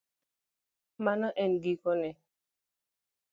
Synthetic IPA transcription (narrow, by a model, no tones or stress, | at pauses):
manɔʔɛnɡikɔnɛ